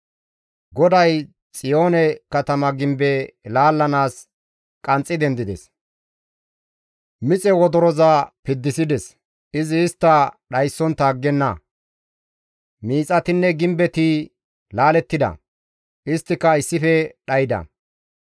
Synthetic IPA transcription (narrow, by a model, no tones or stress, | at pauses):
ɡɔd̪ɐj | t͡sʼɪjo̞ːnɛkɐt̪ɐmɐɡɪmbɛlaːlːɐnaːs | kʼɐnt͡sʼːɪd̪ɛnd̪ɪd̪ɛs | mɪt͡sʼɛwɔd̪ɔɾɔzapɪd̪ːɪsɪd̪ɛs | ɪzɪːst̪ːɐɗɐjsːɔnt̪aːɡːɛnːɐ | miːt͡sʼɐt̪ɪnːɛɡɪmbɛt̪ɪ | laːlɛt̪ːɪd̪ɐ̰ | ʔɪst̪ːɪkːɐɪsːɪfɛɗɐjɪd̪ɐ̰